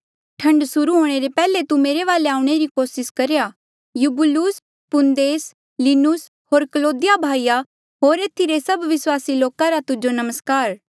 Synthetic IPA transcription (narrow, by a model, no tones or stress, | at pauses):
ʈʰɐ̃ɳɖsʊɾuɦoːɽ̃eɾepɛːlet̪umeːɾeʋaːleaːuɽ̃eɾikoːsɪskɐɾeja | jubʊluːs | pʊnd̪eːs | linʊs | ɦoːɾkəloːd̪ɪjabʱaːija | ɦoːɾeːt̪ʰiɾesɐbʋɪswaːsiloːkaɾat̪ʊd͡ʒonɐməskaːɾ